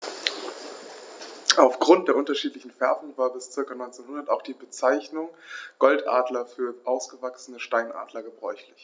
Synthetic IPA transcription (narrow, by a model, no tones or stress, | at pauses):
ʔaʊfɡ̥ʁʊnt̚d̥eːɐʔʊntɐʃiːtlɪçn̩fɛɐfn̩vaːɐbɪst͡sɪɐkanɔʏnt͡seːnhʊndɐtaʊxd̥iːbət͡saɪçnʊŋɡ̥ɔltʔa̰ːdlɐfyːɐʔaʊsɡ̥əvaksn̩əʃtaɪnʔa̰ːdlɐɡəbʁɔ̰ʏçlɪç